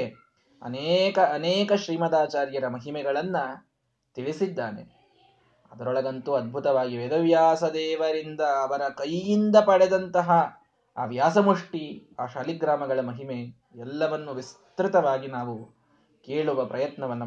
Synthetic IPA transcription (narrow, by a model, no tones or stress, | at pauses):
e | ɐ̰neːkɐːneːkɐʃɾiːmɐd̪aːt͡ʃaːɾjɐɾɐmɐɦimɛɡɐɭɐnːɐ | t̪iɭisid̪ːaːnḛ | ɐd̪ɐɾɔɭɐɡɐnt̪uɐd̪̚bʱut̪ɐʋaːɡiʋed̪ɐʋjaːsɐd̪ɛːʋɐɾind̪ɐːʋɐɾɐkɐjːind̪ɐpɐɽɛd̪ɐnt̪ɐɦɐ̰ː | ʋjaːsɐmuʂʈiaːʃaːliɡɾaːmɐɡɐɭɐmɐɦime̞ | ɛlːɐʋɐnːuʋist̪ɾit̪ɐʋaːɡinaːʋu | keːɭuʋɐpɾɐjɐt̪nɐʋɐnːɐ